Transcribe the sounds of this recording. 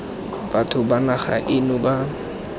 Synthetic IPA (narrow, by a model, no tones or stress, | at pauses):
b̥atʰʊbanaχa̰ʔɪnʊba